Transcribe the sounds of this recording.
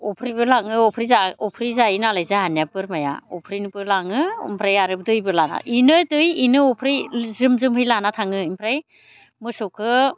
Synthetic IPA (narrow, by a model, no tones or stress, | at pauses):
ɔpʰɾibɯlaŋɯɔpʰɾizaɔpʰɾizainalajzaɦanjapɯɾmaja̰ɔpʰɾinipɯlaŋɯḭmpʰɾajaɾɯbdɯjbɯlana̰ʔinɯdɯjinɯɔpʰɾizɯmzɯmhɯjlanatʰaŋɯimpʰɾaj | mɯsɔkʰɯ